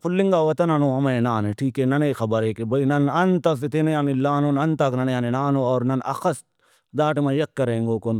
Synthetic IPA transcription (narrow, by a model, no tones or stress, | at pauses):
pʰʊlːĩŋɡaːʋɐt̪ɐnɐnoːɦɐmeːnaːneʈʰiːkeːnɐneːxɐbɐɾeːkebɐinɐnɐnt̪ɐset̪enejaːnilːaːnonɐnt̪ɐknɐnejaːnenaːnoːɔːɾnɐnɐ̰xɐst̪̚ | d̪aːʈmãjɐkːɐɾẽːŋɡoːkon